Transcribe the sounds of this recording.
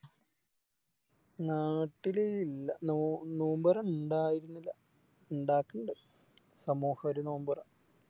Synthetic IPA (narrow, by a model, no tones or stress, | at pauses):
naːʈːileilːɐnonoːmbɐrɐmuɳɖaːjiɾunːilːɐ | uɳɖaːkːɐɳɖɨ | sɐmoːhɐɐɾenoːmbɐrɐm